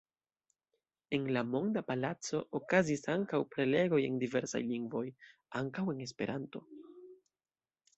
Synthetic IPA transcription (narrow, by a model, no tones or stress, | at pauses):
e̞nlamo̞ŋdapalat͡so̞ʔokazisaŋkawpɾe̞le̞ɡo̞je̞̰ndive̞ɾsa̰jliŋɡvo̞j | aŋkawe̞ne̞s̬pe̞̰ɾʔanto̞